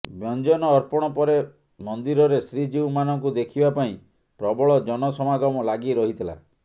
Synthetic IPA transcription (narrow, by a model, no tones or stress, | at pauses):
bjɔnd͡ʒɔnɔːɾpɔɽ̃ɔpɔɾe | mɔnd̪iɾɔɾesɾid͡ʒiumanɔŋkud̪ekʰibapaĩ | pɾɔbɔɭɔd͡ʒɔnɔsɔmaɡɔmɔlaɡiɾɔɦit̪ʰila̰